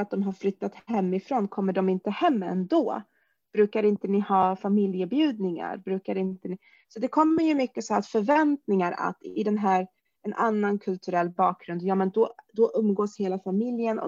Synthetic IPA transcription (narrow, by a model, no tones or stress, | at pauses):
at̪̚d̪ɔmɦaɾflʏt̪ːat̪hɛmːɪfɾoːnkʰɔmːəɖɔmɪnt̪əhɛmːɛ̰nd̪oː | b̥ɾʉ̟ːkaɾɪnt̪ənɪhɑːfamɪljəbjʉ̟ːd̪̚nɪŋa̰ɾbɾʉ̟ːkaɾɪnt̪ənɪ | sɔd̪ɛkʰɔmːəɾjɵmʏkːəsɔat̪fœɾvɛnt̪nɪŋaɾa̰t̪ɪd̪ɛnɦæːɾ | ɛnʔanːankʰɵlt̪ʰɵɾɛlːbɑːk̚ɡɾɵnd̪jɑːmɛnd̪ɔd̪ɔʔɵmːɡoːsheːlafamɪljənɔ̰